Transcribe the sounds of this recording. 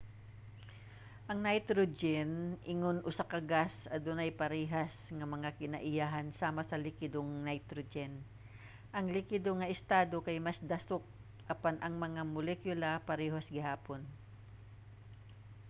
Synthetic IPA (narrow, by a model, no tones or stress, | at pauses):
ʔɐŋnajt̪ɾod͡ʒɛnʔɪŋonʔʊsakɐɡasɐd̪ʊnɐjpɐɾɛːɦɐsŋɐmɐŋakɪnɐʔɪjaːɦɐnsaːmɐsɐlɪkɪd̪oŋnɐjt̪ɾod͡ʒɛn | ʔɐŋlɪkɪd̪oŋɐʔɪst̪aːd̪o̞kɐjmɐsd̪ɐsok̚ | ʔɐpanʔɐŋmɐŋamʊlɛkjʊlɐpɐɾɛɦosɡɪhaːpon